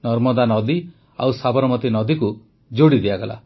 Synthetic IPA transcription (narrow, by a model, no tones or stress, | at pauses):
nɔɾmɔd̪anɔd̪i | a̰wsabɔɾɔmɔt̪inɔd̪iku | d͡ʒoɽid̪iaɡala̰